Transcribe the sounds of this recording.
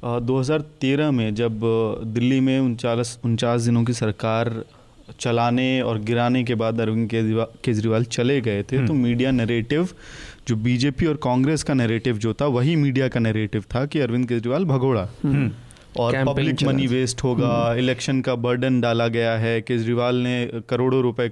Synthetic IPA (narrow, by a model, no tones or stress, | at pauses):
d̪oːɦɐzaːɾt̪eːɾəɦmẽd͡ʒɐbd̪ɪlːimẽʊt͡ʃaːlsʊnt͡ʃaːsd̪ɪnõk̬isɐɾkaːɾ | t͡ʃɐlaːneɔ̰ːɾɡɪɾaːnek̬ebaːd̪ɐɾʋɪ̃nd̪ekeːd͡ʒɾiʋaːlt͡ʃɐleɡɐet̪ʰet̪omiːɖijanɛɾeːʈɪʋd͡ʒoːbiːd͡ʒeːpiɔːɾkãːŋɡɾeːskanɛːɾeːʈɪʋd͡ʒoːt̪ʰaʋɐɦimiːɖijakanɛɾeːʈɪʋt̪ʰakiɐɾʋɪ̃nd̪̚keːd͡ʒɾiʋaːlbʱɐɡoːɽa | ɔːɾpɐblɪkmɐniʋeːsʈɦoːɡaːɪlɛːkʃənkabɐɾɖənɖaːlaɡɐjaɦɛkeːd͡ʒɾiʋaːlnekɐɾoːɽoɾʊpe